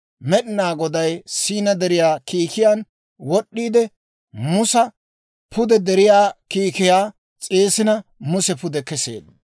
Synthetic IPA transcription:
mɛɗɪnaːɡɔd̪ɐjsiːnɐd̪ɛɾɪjaːkiːkɪjaːn | wɔɗːiːd̪ɛ | mʊsɐ | pʰʊd̪ɛd̪ɛɾɪjaːkiːkɪjaː | t͡sʼeːsɪnɐmʊsɛpʊd̪ɛkɛsḛːd̪

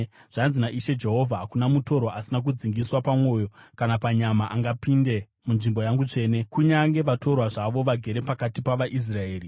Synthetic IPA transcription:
ʐ̥anzinaʔiʃe̞d͡ʒe̞ɦo̞vʱaɦakunamuto̞ɾoʔasinak̬ud͡ziŋɡiswapamwo̞jo̞kanapaɲamaʔaŋɡapinde̞ | munʐimbo̞jaŋɡut͡ʂe̞ːne̞kuɲaŋɡe̞ʋato̞rwaʐaʋo̞ʋaɡʱe̞ɾe̞pakatipaʋaʔis̬rae̞ːri

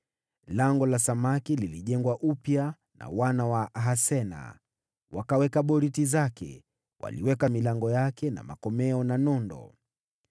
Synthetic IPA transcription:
laŋɡɔlasamakililiʄɛŋɡwaʔupja | na̰wanawaʔaɦasɛna̰ | wakawɛkaɓɔɾitizakɛ̰ | wa̰liwɛkamilaŋɡɔjakɛna̰makɔmɛɔnanɔndɔ̰

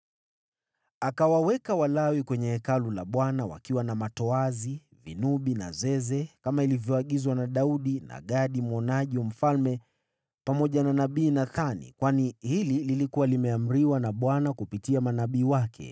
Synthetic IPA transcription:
akawawɛkawalawikwɛɲɛhɛkalulaɓwanawa̰kiwanamatɔazi | vinuɓina̰zɛzɛkamailivjɔaɠizwanaɗauɗina̰ɠaɗimwɔnaʄiwam̩falmɛ | pamɔʄananaɓiːnaθanḭkwanihilililikuwalimɛam̩ɾiwanaɓwanakupitiamanaɓiːwakʰɛ̰

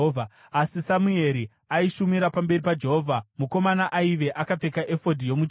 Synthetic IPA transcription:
a | asisamue̞ɾi | aiʃumiɾapambe̞ripad͡ʒe̞ɦoːvʱamuko̞manaʔaiʋe̞ʔakap͡fe̞kaʔe̞fo̞dʱijo̞mu

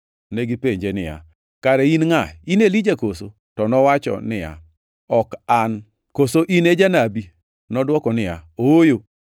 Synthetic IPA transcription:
neɡipeɲd͡ʒenɪ̰ja̰ | kaɾɛinŋainelid͡ʒakoso | tɔnɔwat͡ʃɔ̰nɪja̰ | ɔkan | kosoʔined͡ʒanabi | nɔdwɔkɔnɪja̰oojo

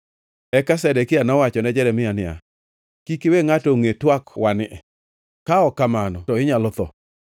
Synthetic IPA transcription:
ɛkasɛdɛkɪanɔwat͡ʃɔnɛd͡ʒɛɾɛmɪanɪja̰ | kikeweŋatoŋetwakwanɪɛ | kaɔkamanɔtɔɪɲalɔt̪ɔ̰

